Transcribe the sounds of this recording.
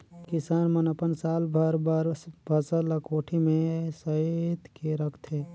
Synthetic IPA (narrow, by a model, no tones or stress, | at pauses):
kɪsaːnmənəpənsaːlbʱəɾbʱəɾsbʱəsələkoːʈʰimẽsəet̪keɾəkʰt̪ʰe